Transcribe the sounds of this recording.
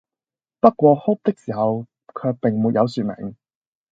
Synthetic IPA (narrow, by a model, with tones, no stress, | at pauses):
pɐ˥t̚kʷɔː˧hʊ˥p̚t̪ɪ˥k̚siː˨˩hɐ˨w | kʰœː˨˧k̚pɪ˨ŋmuː˨t̚jɐ˨˧wsyː˨t̚mɛ̰˨˩ŋ